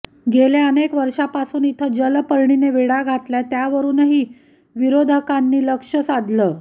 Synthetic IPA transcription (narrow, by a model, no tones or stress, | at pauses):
ɡʱeleənekʋəɾʂapasuːnit̪ʰəd͡ʑəlpəɭɳineʋeɽaɡʱat̪ljat̪jaʋəɾuːnəɦiː | ʋiɾod̪ʱəkanːiːləkʂəsad̪ʱləː